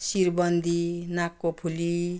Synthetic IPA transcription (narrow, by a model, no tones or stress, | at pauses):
siɾbʌnd̪ʱinakːopʰuli